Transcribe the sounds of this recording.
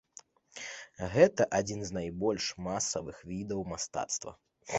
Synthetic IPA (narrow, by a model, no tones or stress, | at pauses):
ɣɛt̪ɐʔad͡zʲinznajbɔlʲʂmasɐvɨxvʲid̪ɐwmast̪a̰t̪st̪vɐ̰